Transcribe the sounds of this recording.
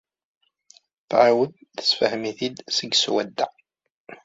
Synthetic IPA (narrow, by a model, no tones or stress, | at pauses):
θʕawəðθə̥sfəhmiθid̪səɡswæd̪ːa̰